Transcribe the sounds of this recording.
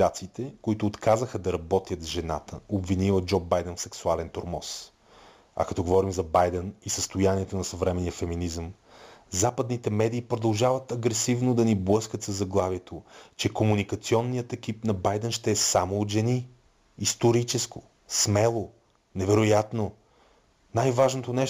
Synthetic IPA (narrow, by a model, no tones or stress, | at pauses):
at̪siːt̪ɛkoit̪ʊːt̪kʰazəxəd̪ɐɾɐbɔt̪ʲjət̪zʒɛna̰t̪ə̰obvinilˠəd͡ʒɔbajd̪ɛnfsɛksualɛnt̪oɾmɔ̰s | ɐ̰kɐt̪ɔɡovɔɾimzɐbajd̪ɛnisəst̪ʊjaniɛt̪onɐsɐvɾɛmɛnijəfɛminizəm | zapəd̪nit̪ɛmɛd̪iːpɾod̪ɐlˠʒavət̪ɐɡɾɛsivnod̪ɐniblˠɤskət̪sɐzːɐɡlˠavjɛt̪ʰot͡ʃɛkomunikɐt̪siɔnːijət̪ɛk̟ipnɐbajd̪ɛnʃt̪ɛːsamoːt̪ʒɛniː | st̪oɾit͡ʃɛsko | smɛlˠo | nɛvɛɾʊjat̪no | najvaʒnot̪onɛʃ